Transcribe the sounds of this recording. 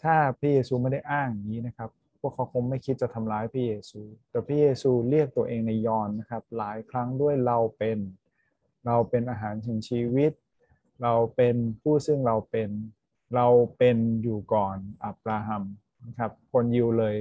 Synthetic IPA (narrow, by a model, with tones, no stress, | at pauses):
t̪ʰaː˥˩pʰɾa˦˥˩jeː˧suː˧ma˥˩jda˥˩jʔaː˥˩ŋ˨˩ŋiː˦˥na˦˥kʰa˦˥p̚ | pʰːu˥˩əkʰːa˦wkʰo˧ŋma˥˩jkʰi˦˥t̪̚t͡ɕa˨˩t̪ʰa˧mlaː˧˦˥jpʰɾaː˥˩jeː˧suː˧t̪ɛː˨˩pʰɾa˦˥jeː˧suː˧ɾi˥˩ək̚t̪u˧ɐʔeː˧ŋna˧jːɔː˧nːa˦˥kʰa˦˥p̚laː˩˦jkʰɾa˦˥ŋdu˥˩əjɾa˧wpe˧n | ɾa˧wpe˧nʔaː˧ɦaː˩˦nsʰi˩˦ŋt͡ɕʰiː˧wi˦˥t̪̚ | ɾa˧wpe˧npʰuː˥˩sɯ˥˩ŋɾa˧wpe˧n | ɾa˧wpe˧njuː˨˩kɔː˨˩nʔa˨˦˩p̚ɾaː˧ɦa˧m | na˦˥kʰa˦˥p̚kʰo˧nji˧wlɤː˧j